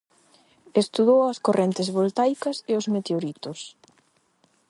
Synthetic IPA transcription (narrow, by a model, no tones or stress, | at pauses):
est̪uðowɐskorʔɛnt̪ɪzβolt̪ajkɐseozmet̪eoɾit̪os